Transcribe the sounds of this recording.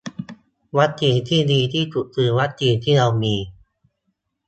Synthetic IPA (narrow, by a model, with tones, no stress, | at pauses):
wa˦˥t̪̚t͡ɕiː˧nt̪ʰiː˥˩diː˧t̪ʰiː˥˩t̪u˨˩t̪ɯː˧wa˦˥t̪̚t͡ɕiː˧nt̪ʰiː˥˩ɾa˧wmiː˧